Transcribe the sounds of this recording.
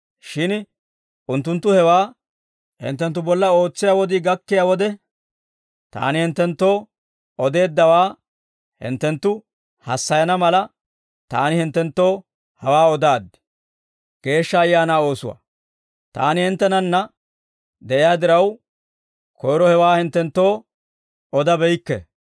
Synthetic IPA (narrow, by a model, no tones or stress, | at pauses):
ʃɪn | ʔʊnt̪ːʊnt̪ːʊhɛwaː | hɪ̰nt̪ːɛnt̪ːʊbɔlːɐo̞ːt͡sːɪjaːwɔd̪ɪɡɐkːɪjaːwɔd̪ɛ | t̪a̰ːnɪhɪnt̪ːɛnt̪ːo̞ː | ɔd̪e̞ːd̪ːɐwaː | hɪ̰nt̪ːɛnt̪ːʊ | hɐsːɐjɐnɐmɐlɐ | t̪a̰ːnɪhɪnt̪ːɛnt̪ːo̞ː | hɐwaːɔd̪aːd̪ɛ̥ | ɡ̥e̞ːʃːɐːjːaːnaːo̞ːsʊwa̰ | t̪a̰ːnɪhɪnt̪ːɛnɐnːɐ | d̪ɛʔɪjaːd̪ɪɾɐw | kʰɔjɾɔhɛwaːhɪnt̪ːɛnt̪ːo̞ː | ɔd̪ɐbɛjkːɛ̰